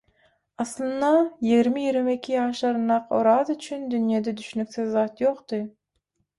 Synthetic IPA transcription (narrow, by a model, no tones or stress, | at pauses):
ɑslˠɨnd̪ɑjiɡʲɾmijiɡɾɪmekʲʰːijɑːʃlˠɑɾɨnɑqo̰ɾɑzyt͡ʃʰynd̪ynjɑd̪ɛd̪yʃynykʲsɪzːɑt̪joqt̪ɨ